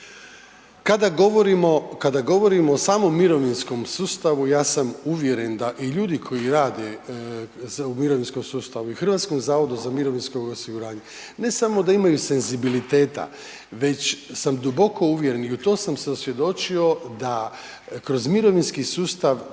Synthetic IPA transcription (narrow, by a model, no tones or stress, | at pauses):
kad̪aɡoʋoɾimokad̪aɡo̞ʋo̞ɾimoːsaːmo̞mːiɾo̞ʋinsko̞msuːst̪aʋujaːsamuʋje̞ɾe̞nd̪aʔiʎuːd̪ikʰo̞jiɾaːd̪e | zumiɾoʋinsko̞msuːst̪aʋuixr̩ʋaːt̪skomzaːʋo̞d̪uzamiɾo̞ʋinskoosiɡuɾaːɲe | ne̞samo̞d̪aimajuse̞nzibilit̪eːt̪a̰ | ʋe̞t͡ɕsamd̪ubo̞kʰo̞uʋjeɾeniut̪o̞ːsamse̞osʋje̞d̪o̞t͡ʃio̞d̪a | kɾozmiɾo̞ʋinskisuːst̪aʋ